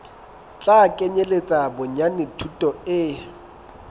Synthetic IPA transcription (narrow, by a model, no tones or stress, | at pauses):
t͡ɬʼakʼeɲelet͡sʼabʊɲanɪtʰutʼɔɪ